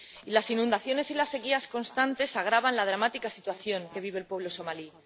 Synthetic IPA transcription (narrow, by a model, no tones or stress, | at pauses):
ilasinũnd̪aθjo̞ne̞silasːe̞ɣiasko̞nst̪ant̪e̞saɣ̞ɾaβanlað̞ɾamat̪ikasit̪waθjo̞ŋke̞βiβe̞lpwe̞β̞lo̞so̞mali